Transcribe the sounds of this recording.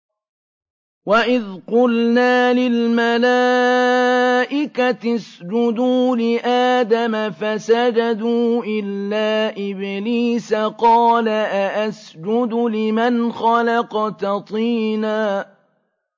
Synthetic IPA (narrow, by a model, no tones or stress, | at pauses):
waʔɪðqʊlnaːlɪlmalaː | ʔɪkat̪ɪsd͡ʒʊd̪uːlɪʔaːd̪amafasad͡ʒad̪uːʔɪlːaːʔɪbɪliːsaqɑːlaʔaʔasd͡ʒʊd̪lɪmanxɑlɑqt̪ɑt̪ˤiːnaː